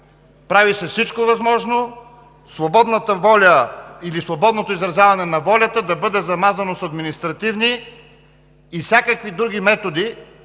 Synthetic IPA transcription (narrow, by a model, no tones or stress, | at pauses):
pɾavisɛfsit͡ʃkovɐzmɔʒno | svobɔd̪nət̪əvɔlʲəilisvobɔd̪not̪oizɾɐzʲjavɐnɛnɐvɔlʲɐt̪əd̪ɐbɤd̪ɛzɐmazɐnosɐd̪minist̪ɾɐt̪ivni | fsʲakəkvid̪ɾuɡ̟imɛt̪od̪i